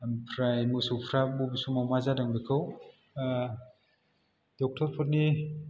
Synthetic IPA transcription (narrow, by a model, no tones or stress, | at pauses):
mpʰɾajmusupʰɾabubisumawmazadaŋbikʰɯw | d̥ɔk̚tʰɔɾpʰɔt̚ni